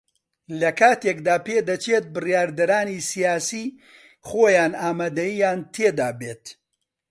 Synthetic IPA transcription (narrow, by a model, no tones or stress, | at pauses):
lɐkʰaːt̪eːkd̪aːpeːd̪ɐt͡ʃʰet̪̚bɨrjaːɾd̪ɐɾaːnisijaːsiː | χoːjaːnaːmaːd̪ɐjijaːnt̪ʰeːd̪aːbeːt̪